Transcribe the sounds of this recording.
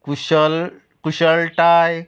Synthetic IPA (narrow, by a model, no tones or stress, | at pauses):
kuɕəl | kuɕəlʈaj